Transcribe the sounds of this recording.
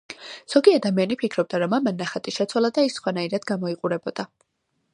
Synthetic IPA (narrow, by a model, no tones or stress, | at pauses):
z̥ɔɡiad̪amianipʰikʰɾɔb̚d̪aɾɔmamanːaχat̪ʼiʃɛt̪sʰwalˠad̪aisːχwanaiɾad̪̥ɡamɔiqʼuɾɛbɔd̪̥a